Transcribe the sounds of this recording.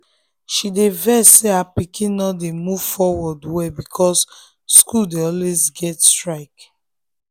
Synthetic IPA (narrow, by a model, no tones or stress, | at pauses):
ʃidevɛseapikʰĩnnːɔdemuv̥fɔwɔdwɛbikʰɔs | skuldeɔlwezɡɛtstɹaɪk